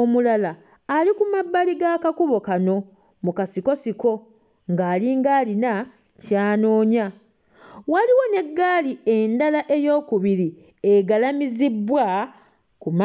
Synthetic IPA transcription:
omulalaː | likumabːaliɡakakuβo̞kano̞ | mukasiko̞siko̞ | ŋɡaːliːŋɡaːlina | caːno̞ːɲa | waliwo̞ne̞ɡːaːlie̞ndalaʔe̞jo̞ːkuβiɾi | e̞ɡalamizibːwa | kum

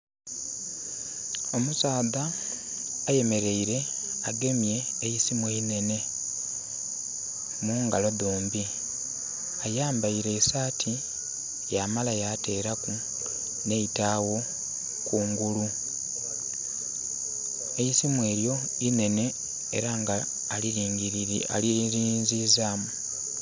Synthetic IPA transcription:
o̞musaːðaː | je̞me̞ɾe̞iɾe̞ | aɡe̞mje̞ːjisimweine̞ne̞ | muːŋɡaloðoːmbi | ajaːmbaiɾe̞ːsaːtʰi | jamalajate̞ːɾaku | ne̞itawo̞ | kuːŋɡulu | ejisimwe̞ːɾjo̞ | ine̞ne̞̰ː | ɾaŋɡaː | liɾiːŋɡia̰liɾiːnzizaːmu

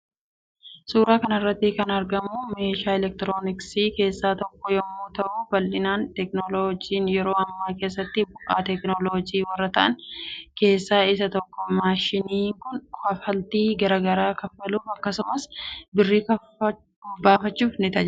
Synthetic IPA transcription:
suːɾaːkɐnɐrːɐt̪ːɪkɐnɐɾɡɐmume̞ːʃaːɛlɛk̚t̪ɪɾo̞ːnɪksiːke̞ːsːaːt̪ɔkːɔjɔmːuːt̪ɐʔuːbɐlːɪnaːnt̪ɛknoloːd͡ʒiːnjɛɾo̞ːɐmːaːke̞ːsːɐt̪ːɪbʊʔaːt̪ɛknoloːd͡ʒiːwɐrːɐt̪ɐʔɐnke̞ːsːaːɪsɐt̪ɔkːɔmaːʃɪniːŋkʊnɐfɐlt̪iːɡɐɾɐɡɐɾaːkɐfːɐluːfɐkːɐsʊmɐsbɪrːiːkɐ | baːfɐt͡ʃːuːfnɪt̪ɐd͡ʒ

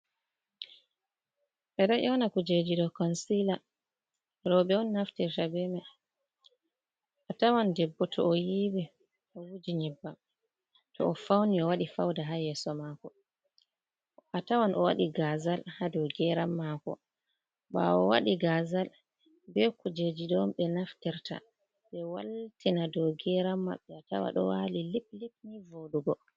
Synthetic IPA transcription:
ɓɛdaʔɔwnakud͡ʒed͡ʒidɔkɔnsila | ɾɔbɛɔnːaftɛɾtabɛma | ʔatawandɛbːɔtʰɔ̰ːjibi | ɔwud͡ʒiɲɛbːa | tɔ̰ːfawniɔwaɗifa̰wdaɦajɛsɔmakɔ | ʔatawanʔɔwa̰ɗiɡazalhadɔɡɛɾamːakɔ̰ | ba̰ɔwa̰ɗiɡazal | bɛkud͡ʒed͡ʒidɔmɓɛnaftɛɾta̰ | ɓɛwa̰ltinadɔɡɛɾamːa̰ɓːɛata̰wa̰ɗɔ̰walilip̚lip̚nivoɗuɡɔ

